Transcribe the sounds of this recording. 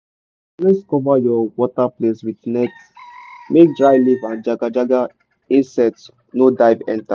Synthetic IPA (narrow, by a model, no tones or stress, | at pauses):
plɛskɔvajɔwɔtapleswidnɛt | mek̚dɹajlivãnd͡ʒaɡad͡ʒaɡa | ĩnsɛt | nodaɪvɛ̰̃nta